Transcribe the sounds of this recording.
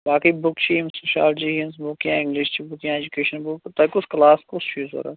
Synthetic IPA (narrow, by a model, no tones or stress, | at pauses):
baːkibʊkt͡ʃʰiimsuʃa̰ːlʈd͡ʒiɦinsbʊkjã̰ːɪ̃ŋɡlɪʃt͡ʃʰibʊkjãed͡ʒukeːʃɐnbʊkt̪ɐkʊsklaːskʊsfʰuːzə̰ɾɛ